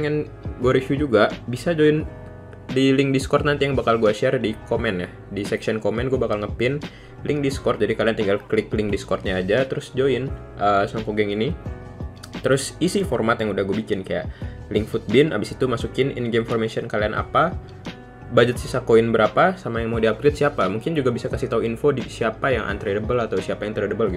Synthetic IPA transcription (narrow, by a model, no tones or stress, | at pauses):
ŋan | ɡuaɾiʃjud͡ʒuɡaʔbisad͡ʒoɪn | dilɪŋdiskɔrt̪̚nant̪ijaŋbakalɡuaʃiardikomɛnjah | disɛksiɔnkomɛnɡuabakalŋəpɪn | lɪŋdiskɔrt̪̚d͡ʒadikaliant̪iŋɡalklɪklɪŋdiskɔrt̪̚ɲaːd͡ʒat̪əɾʊsd͡ʒoɪn | ʔəsɔŋkoɡɛŋini | t̪əɾʊsisifɔrmat̪jaŋudahɡuabikɪnkaja̰ʔlɪŋfut̪̚bɪna̰bɪsit̪umasukɪnɪ̰nɡemfɔrmesiɔnkalianʔa̰pa | bad͡ʒət̪̚sisakoɪnbəɾapasamajaŋmaudiap̚kɾɪt̪̚siapamuŋkɪnd͡ʒuɡabisakasiht̪auinfodisiapajaŋʔa̰nt̪ɾedəbəlat̪awsiapajaŋt̪əɾədəbəlɡit̪